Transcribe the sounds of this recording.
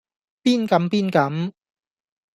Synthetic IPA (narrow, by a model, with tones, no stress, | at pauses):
piː˥˩nkɐ˨˥mpiː˥nkɐ˨˧˥m